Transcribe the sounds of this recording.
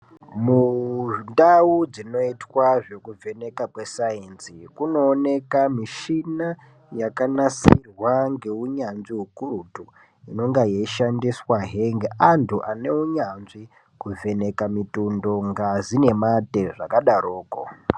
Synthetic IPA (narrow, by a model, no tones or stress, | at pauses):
mundaud͡zino̞itwaʐo̞kuve̞ne̞kakwe̞saensikuno̞ːne̞kamiʃina | jakanasirwaŋɡe̞uɲanʐiɦukurutu | ino̞ŋɡajeʃandiswaɦeŋɡeantʰuʔane̞uɲanʐi | kuve̞ne̞kamitundo̞ŋɡazine̞mate̞ʐakaɗaɾoːko̰